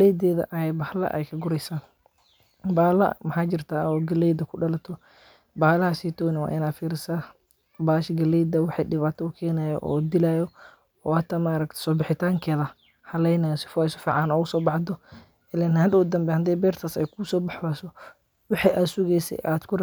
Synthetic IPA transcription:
lɛjd̪ɛːðɐ̰ʔɐjɛjbɐhlɐ̰ʔɛ̰jkʰɐɡʊɾɛjsaː | baːlɐ̰mɐħaːd͡ʒɪrt̪ʰaːɔːɡɐlɛjd̪ɐkʰʊɖɐlɐt̪ʰɔ | baːlɐhasiːt̪ʰɔːnɪwa̰ːʔɪnaːd̪fiːɾɪsaː | baːʃɡɐlɛjd̪ɐwɑħɑjɖɪβaːt̪ʰɔʊkʰɛːnaːjɔ̰ʔɔːd̪ɪlaːjɔ | ɔːhɐt̪ʰːamaːɾɐkt̪ʰɛ̥sɔːbɪħɪt̪ʰaːŋkʰɛːðɐ | hɐlɛjnajɔsɪ̥fɔɪsʊfiːʕɑnɔːʊsɔːbɑħd̪ɔ | ɛlɛnhɐd̪ʊd̪ɐmbɛhɐnt̪ɛjbɛːrt̪ʰaːsɛ̰jkʰʊsɔːbɑħbaːsɔ | wɑħiʔaːd̪sʊɣɛjsɛ̰ʔaːd̪kʰʊr

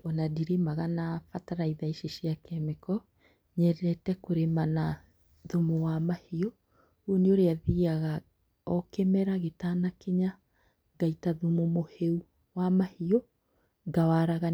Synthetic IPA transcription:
ɔnadiɾemaɣanafataɾaiðaiʃeʃiakɛmekɔ | ɲɛɾɛtɛkoɾemana | ðomowamahiɔ | uneoɾeaðiaɣa | ɔkɛmɛɾaɣetaːnakeɲa | ɡaitaðumomoheu | wamahiɔ | ɡawaɾaɣa

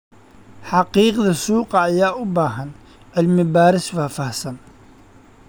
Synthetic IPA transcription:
ħɑqiːqðɪsuːqɑʔajaːʔʊbaːɦan | ʕɪlmɪbaːɾɪswafahsan

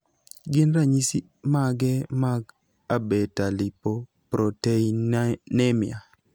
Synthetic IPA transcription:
ɡɪnɾaɲisi | maɡɛmaɡ | abetalipo | pɾoteinɛmja̰

